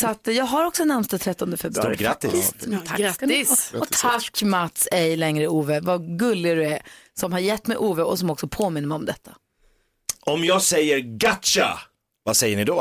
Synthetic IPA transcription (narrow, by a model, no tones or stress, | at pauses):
sat̪ːjɑːɡɦaɾɔksɔnamst̪at̪ʰɾɛt̪ːɔnd̪əfɛbɾaɾɡɾat̪ːɪsʰaaɪsɔt̪ʰakːmat̪sɛjlɛŋɾəuːvəvaɡɵlːɪɡad̪ɵɛsɔmhaɾjɛt̪ːmɛjʔuːvəɔsɔmɔksɔpʰoːmɪnːəmɛɪɔmd̪ɛt̪ʰːa | ɔmjɑːɡsɛjːəɾɡatʃa̰ | vasɛjːəɳɪd̪ɔ